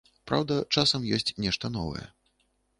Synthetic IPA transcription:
pɾa̰wd̪ɐt͡ʂasɐmjɔsʲt͡sʲnʲɛʂt̪ɐn̪ɔvɐ̰jɛ̰

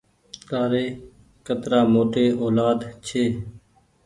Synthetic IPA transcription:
k̪aːɾeː | kət̪ɾaːmoːʈeːoːlaːd̪t͡ʃʰeː

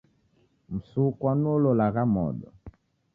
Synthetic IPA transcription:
m̩sukwanɔlɔlaɣamɔ̰ɗɔ

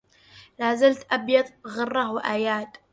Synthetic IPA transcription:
laːzalt̪ʰʔabjɑðˤbɣɨrˤːɑwaʔaːjaːtʼ

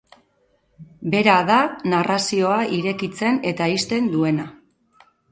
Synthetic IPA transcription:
be̞ɾaðanarʔasio̞aʔiɾe̞kit͡se̞ne̞t̪aist̪e̞nd̪ue̞na

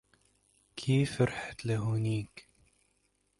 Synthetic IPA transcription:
kʰiːfɪɾħḁt̪laɦuniːk

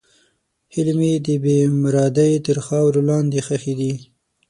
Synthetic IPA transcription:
hɪlmed̪əbemɾɑd̪ajt̪əɾxɑwɾolɑnd̪exaxed̪i

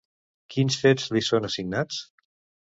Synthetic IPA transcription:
kinsfezlisonəsiɡ̚nat͡s

